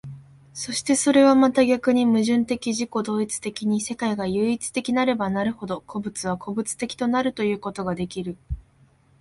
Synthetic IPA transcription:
so̞ɕi̥t̪e̞so̞ɾe̞βamat̪aɡʲakɯ̟ɲ̟imɯ̟ʑɨ̃nt̪e̞kʲiʑiko̞d̪o̞ːit͡sɨ̥t̪e̞kʲiɲ̟ise̞kaiɡajɯ̟ːit͡sɨ̥t̪e̞kʲinaɾe̞banaɾɯ̟ho̞d̪o̞kʰo̞bɯ̟t͡sɨβ̞ako̞bɯ̟t͡sɨ̥t̪e̞kʲi̥t̪o̞naɾɯ̟t̪o̞jɯ̟ːko̞t̪o̞ɡad̪e̞kʲiɾɯ̟

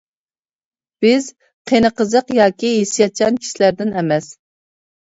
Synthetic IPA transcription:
b̥ɪz | qʰenəqəzəqjɑːkʲiɦesijɑt͡ʃʰɑnkʲʰi̥ʃilæɾd̪ɪnɛmɛs

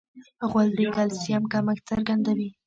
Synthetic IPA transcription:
ɣwald̪ikalsijamkaməkt͡saɾɡand̪awi

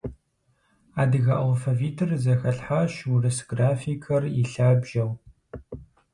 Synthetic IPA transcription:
aːdɨɣɐʔalfɐviːtʰɨrzɐxɐɬħaʃurɨsɡraːfikʰɐriɬaːbʒɐw

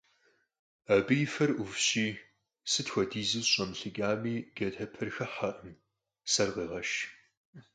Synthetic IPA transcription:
ɐbɨjfɐrʔʊfɕiː | sɨtxʷɔdiːzɨzɕʼɐmɬɨɡʲʼaːmiːɡ̥ɐdʰɐpʰɐrxɐħɐʔɨm | sɐrʁeːʁɐʃ

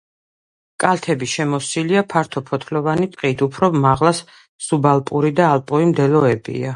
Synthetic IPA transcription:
kʼalˠt̪ʰɛbiʃɛmɔsiliapʰaɾt̪ʰɔpʰɔt̪ʰlɔvanit̪ʼqʼiːd̪ʰupʰɾɔmaʁlˠas | subalˠpʼuɾid̪aːlˠpʼuɾimd̪ɛlɔɛbḭa

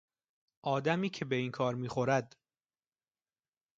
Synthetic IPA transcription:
ʔɒːd̪æmiːcʰe̞be̞iːŋkʰɒːɾmiːχo̞ɾæd̪

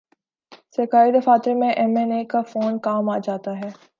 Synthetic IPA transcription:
sekaːid̪ɐfaːt̪ɾemẽʔɛmɛneːkafoːnkaːmaːd͡ʒaːt̪aɦɛː

